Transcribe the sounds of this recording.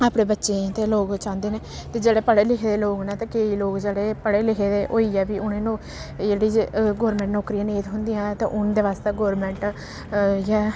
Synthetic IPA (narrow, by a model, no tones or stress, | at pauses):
aːpɽeːbətːʃẽt̪eːloːɡt͡ʃãːnd̪eːneː | t̪eːd͡ʒeːɽeːpəɽeːlɪkʰeːd̪eːloːɡnaːt̪ãːkeːiːloːkd͡ʒeːɽeːpəɽeːlɪkʰeːd̪eːʔoːiːɛːbiːʊnẽːnũː | d͡ʒeːɽiːɡɔːɾmɛ̃ːɳʈnɔːkɾiãːneːt̪ɦʊnd̪ɪjãːt̪ḛ̃ːʔʊnd̪eːʋaːst̪eːɡoːɾmɛ̃ɳʈ | jaː